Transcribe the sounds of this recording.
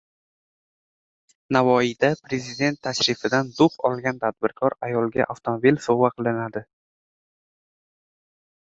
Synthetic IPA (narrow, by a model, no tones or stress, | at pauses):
navɒid̪apɾe̞zɪd̪e̞nt̪ʰːaʃɾɪfɪd̪and̪ʊqɒlˠɡʲant̪ʰad̪̚bɪɾkʰɒɾajɒlˠɡʲa̰ʔaft̪ʰomobilsovaqʰɨlˠɪnad̪ɪ